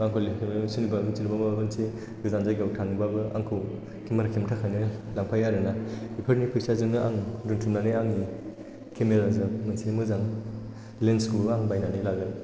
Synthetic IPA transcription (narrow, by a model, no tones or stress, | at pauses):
baŋkʰolekʰememsunibabɯnsʰilibamababɯnse | ɡɯzanzajɡawtʰanibabɯa̰ŋkʰɯw | kʰimaɾakʰimtʰakʰanɯlaŋpʰajaɾɯnaipʰɯɾnipʰɯjsazɯŋɯʔaŋɾɯŋtʰumnanɯaŋi | kʰemeɾazɯŋmɐnsinimɯzaŋ | lenskuaŋbajnanilaɡɯn